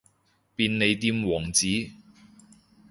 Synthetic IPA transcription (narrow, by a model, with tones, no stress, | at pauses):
piː˧nne˨˧jt̪iː˧mwɔː˨˩ŋt͡siː˨˥